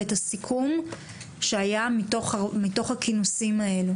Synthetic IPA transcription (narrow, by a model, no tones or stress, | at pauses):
etasikʰum | ʃeajamitoχmito̞χhakinusimae̞lu